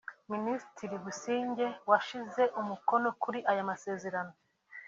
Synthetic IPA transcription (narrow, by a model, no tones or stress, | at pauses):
ministiɾiβusiːɲɟe̞waʃize̞ʔumuko̞nokuɾiʔajamase̞ːze̞ɾano̞